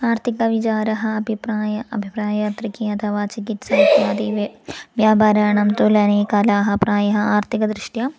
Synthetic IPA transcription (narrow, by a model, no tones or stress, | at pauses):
aːɾt̪ʰikɐʋit͡ʃaːɾɐɦɐ̆ɐbʱipɾaːjɐɐbʱipɾaːjaːt̪ɾikiɐt̪ʰɐʋaːt͡ʃikit̪sɐjt̪jaːd̪iʋjaːbaːɾaːɐɳɐmt̪ulɐneːkɐlaːɦɐpɾaːjɐɦɐ̆aːɾt̪ʰikɐd̪ɾɪʂʈja